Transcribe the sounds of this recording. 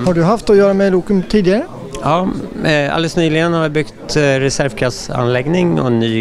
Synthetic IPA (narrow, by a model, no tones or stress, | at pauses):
hɑɖɵɦaft̪ɔjøːɾamɛluːkəmt̪ʰiːd̪ɪəɾə | jɑː | a̰ld̪əsnyːlɪɡənhavɪbʏkt̪ɾɛsæɾvkʰɾasa̰nlɛɡnɪŋɔ̰nyː